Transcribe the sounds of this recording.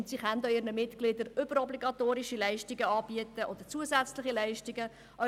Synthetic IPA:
ʊntsiχænd̪oɪɾnəmɪt̪ɡ̥lɪd̪əɾʏbəɾɔbliɡɑt̪oːɾiʃilɛɪʃtiɡəɑːb̥iətəʔod̥̪əɾt͡suəzæt͡slɪχilɛɪʃtiɡə | ʔœ

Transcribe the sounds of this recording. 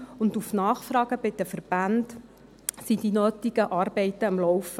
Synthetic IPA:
ʊndufnɑːχfɾɑːɡ̥əbɪd̥̪əfəɾb̥and | sid̥inøːtiɡ̥əʔɑːɾbɛɪt̪əɑmlɔwfə

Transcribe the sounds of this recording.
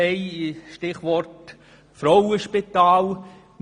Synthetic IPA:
ɛjʃtɪχʋɔɾt | fɾɔwəʃpit̪ɑːl | m

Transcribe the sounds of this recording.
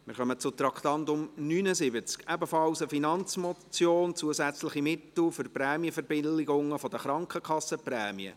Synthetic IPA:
mɪ̰ɾχœmət͡sʊt̪ɾɑkχt̪ɑnt̪ʊmnyːnəzɪbət͡skɛbəfɑlsəfinɑnt͡smɔt͡sjoːnt͡suəzæt͡slɪχimɪt̪l̩fʏrpɾɛːmiəfɛɾbɪlːɪɡʊŋːəfɔd̥əχɾɑŋkʰəkχɑsːəprɛːmiə̰

